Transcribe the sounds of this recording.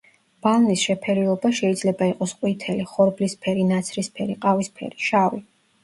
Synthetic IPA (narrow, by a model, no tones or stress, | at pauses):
b̥alˠnisʃɛpʰɛɾiɔbaʃɛid̪zlɛbaiqʼɔsqʼwit̪ʰɛliχɔɾblispʰɛɾinat̪sʰɾispʰɛɾiqʼavispʰɛ̰ɾiʃavi